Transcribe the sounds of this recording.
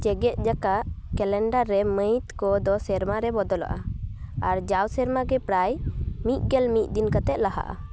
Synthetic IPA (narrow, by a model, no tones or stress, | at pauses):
t͡ʃɛɡɛt̪̚ˀd͡ʒakaʔkɛlɛɳɖaɾːɛməjt̪kɔd̪ɔsɛɾmaɾɛbɔd̪ɔla̰ʔaaɾd͡ʒawsɛɾmaɡɛpɾajmit̪̚ɡɛlmit̪̚ˀd̪inkət̪ɛʔ̪̚laɦa̰ʔa̰